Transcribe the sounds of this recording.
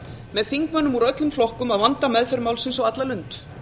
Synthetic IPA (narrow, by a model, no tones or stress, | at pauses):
mɛðθiŋkvœnːʏmuɾœt̪lʏmflɔhkʏmaðvant̪amɛðfɛɾmawlsɪnsawat̪lalʏnt̪